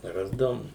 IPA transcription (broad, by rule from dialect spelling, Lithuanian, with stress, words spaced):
ˈrɑːzdɐʋʊm